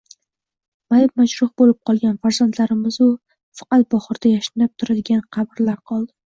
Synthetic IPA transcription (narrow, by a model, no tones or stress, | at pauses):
majɪp̚maʃɾʊhbolɪp̚qʰɒlˠɡʲanfaɾzant̪laɾɪmɪzʊ | fɑ̥qɑt̪̚bɒχɨɾd̪ajaʃɪ̥nɪp̚t̪ʰʊɾad̪ɪɡʲanqʰɑbɾlaɾqʰɒlˠd̪ɪ